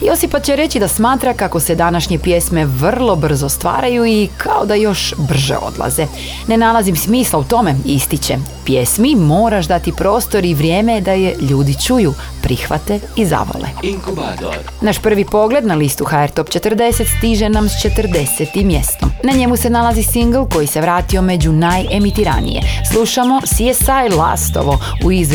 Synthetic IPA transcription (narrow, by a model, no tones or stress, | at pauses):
jo̞sipat͡ɕeɾe̞t͡ɕid̪asmaːt̪ɾakako̞se̞d̪anaʃɲe̞pje̞sme̞ʋr̩lˠo̞br̩zo̞st̪ʋa̰ːɾajuikʰao̞d̪ajo̞ʃbr̩ʒḛo̞̰d̪lˠa̰ze | ne̞nalˠazimsmiːslaut̪o̞me̞ist̪it͡ɕḛ | pje̞smimo̞ːɾaʃd̪at̪ipɾo̞ːst̪o̞ɾiʋɾje̞ːmed̪aje̞ʎuːd̪it͡ʃuju | pɾixʋa̰t̪eiza̰ʋo̰lḛ | naʃpr̩ʋipo̞ɡle̞d̪nalist̪uxaeɾt̪o̞pt͡ɕe̞t̪rd̪e̞set̪st̪iʒe̞namst͡ʃe̞t̪rd̪e̞set̪imːje̞st̪omnaɲe̞muse̞nalazisiŋɡlˠko̞jise̞ʋɾaːt̪io̞me̞d͡ʑunaje̞mit̪iɾa̰nḭjḛslˠuʃamo̞siesajla̰st̪o̰ʋo̞ | uiz